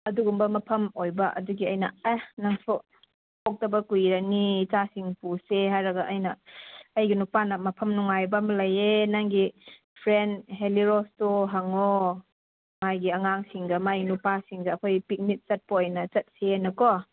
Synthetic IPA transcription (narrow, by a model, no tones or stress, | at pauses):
ɐduɡumbɐmɐpʰɐmojbɐʔɐ̰duɡiɐjnɐ̰anaŋso | pʰok̚tɐbɐkujɾɐnit͡ʃasiŋpuseɦajɾɐɡɐʔɐjnɐɐjɡinupanɐmɐpʰɐmnuŋajbɐmɐlɐjenaŋɡi | pʰɾenɦeliɾostoɦaŋo | majɡiɐŋaŋsiŋɡɐmajɡinupasiŋɡɐːkʰojpik̚nit̚t͡ʃɐt̚poːjnɐt͡ʃɐt̚senɐkɔ